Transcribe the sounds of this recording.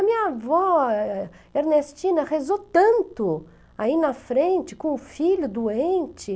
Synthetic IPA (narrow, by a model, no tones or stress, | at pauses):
ɐmĩɲɐvɔ | eɾnest͡ʃĩnɐhezot̪ɐ̃nt̪ʊ | ainɐfɾẽnt͡ʃɪ̥kõʊfiʎʊd̪uẽnt͡ʃɪ